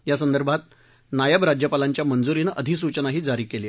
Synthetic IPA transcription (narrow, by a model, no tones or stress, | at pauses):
jasənd̪əɾbʱat̪̚ | najəbɾad͡ʑjəpalaɲt͡ɕjamənd͡zuɾiːnʔəd̪ʱis̬ut͡ɕənaɦiːd͡zaɾiːkele